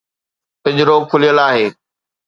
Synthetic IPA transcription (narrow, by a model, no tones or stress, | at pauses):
kɪʄɾoːɡ̚kʰʊlijəlaːɦeː